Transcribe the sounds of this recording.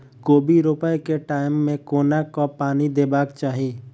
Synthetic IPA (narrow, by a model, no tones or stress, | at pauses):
koːbiɾopəekeʈaːɪmːẽkoːnakopaːnid̪eːbaːkt͡ʃaːɦieː